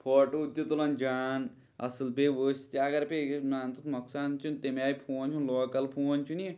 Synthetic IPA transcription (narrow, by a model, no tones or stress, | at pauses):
pʰoːʈoud̪jɐt̪ulɐnd͡ʒaːn | ɐ̰sɨlbeːʋoːst̪ʲaːɡɐɾpeɡemaːnt̪ut̪mɐksaːnt͡ʃʰunt̪emaːjipʰuːnʲt͡ʃʰunloːkɐlpʰuːɐnʲt͡ʃʰuni